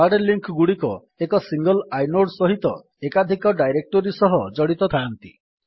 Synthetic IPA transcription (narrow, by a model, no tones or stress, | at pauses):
aɖeliŋkɡuɽikɔ | ekɔsiŋɡɔlajnoɖsɔɦit̪ɔ | ekad̪ʱikɔɖajɾek̚ʈɔɾisɔɦɔd͡ʒɔɽit̪ɔt̪ʰaːnt̪ḭ